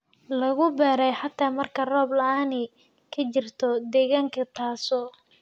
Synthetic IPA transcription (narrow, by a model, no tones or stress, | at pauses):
lɐɣʊbɛːɾɛjħat̪ʰaːmɐrkʰɐrɔːblɐaːnɛ | kʰɐt͡ʃɪrt̪ʰɔd̪ɛːɣaːŋkʰɐt̪ʰaːsɔː